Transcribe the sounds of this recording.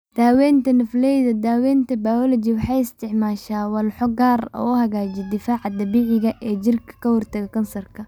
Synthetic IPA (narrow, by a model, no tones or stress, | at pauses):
d̪̥aːwɛːnt̪ʰɐnɐflɛjðɐd̪aːwɛːnt̪ʰɐbaɔlɔt͡ʃiwɑħɑjɪst̪ʰɪʕmaːʃaːwɐlħɔɡaːrɔ̰ːʊhɐɣaːd͡ʒɪd̪ɪfaːʕɑd̪ɐbiːʕɪɣɐʔɛːt͡ʃɪrkʰɐ̥kʰɐhɔrt̪ʰɐɣɐkʰɐnsɐrkʰɐ